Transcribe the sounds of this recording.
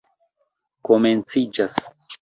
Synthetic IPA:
ko̞ment͡sid͡ʒas

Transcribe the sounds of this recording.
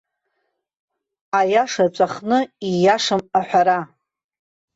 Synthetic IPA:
ajaʂat͡sʷʼaχnɨijaʂɨmaħʷᶣaɾa

